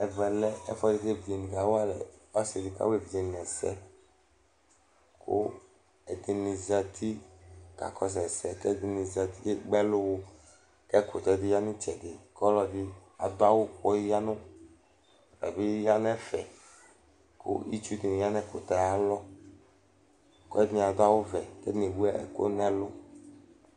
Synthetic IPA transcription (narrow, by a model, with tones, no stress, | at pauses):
ɛ˨vɛ˨lɛ˦ɛ˦fɔ˦di˨˦te˦˨vi˨di˨ni˨ɡa˨˦wa˦lɛ̰˨ɔ˦se˨di˨ka̰˦we˦˨vi˨d͡ʒe˨n˨ɛ˨sɛ̰˦ | kʰo̰˦ | ɛ˨d̪i˨ni˨za˨t̪ʰi˦ka̰˨kʰɔ˦s̬ɛ˨sɛ˨tɛ˦di˨ni˨za˨t̪i˦de˦ɡ͡bɛ˦lʊ˦wo˦ | kɛ˦ko˨t̪ɛ˨di˦ja˦nĩ˦t͡ʃɛ˨ɡe˨kɔ˦lɔ˨di˦a˨d̪ʊ˦a˦wo˦kɔ˦ja˦nʊ̃˦˨ | ɛ̰˨bi˦ja˦nɛ˦fɛ̰˨ | ko̰˦i˦t͡ʃu˦di˨ni˨ja˦nɛ˦ko˨t̪a˨ja˦lɔ˦ | ko˦ɛ˦ni˨a˨d̪ʊ˦a˦wo˦vɛ˨kɛ˦ne˨bu˦ɛ̰˦˨ko̰˦nɛ˦lʊ˦